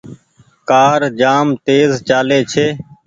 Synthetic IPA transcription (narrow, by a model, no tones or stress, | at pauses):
kaːɾd͡ʒaːmt̪eːzt͡ʃaːleːt͡ʃʰeː